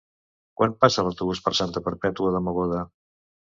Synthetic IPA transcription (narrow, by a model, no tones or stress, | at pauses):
kwanpasələwt̪uβuspəɾsant̪əpəɾpɛt̪uəðəməɣoðə